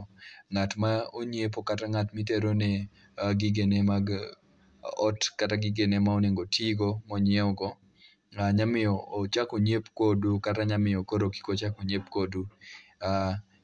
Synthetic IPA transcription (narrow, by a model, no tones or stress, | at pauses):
ŋatmaoɲep̬okataŋatmiteɾone | ɡiɡenemaɡ | ɔtkataɡiɡenemaoneŋɡotʰiɡomɔɲɛɔɡɔ | aɲamɪɔːt͡ʃakoɲepkodukataɲamɪokoɾoki̥kot͡ʃakoɲepkodua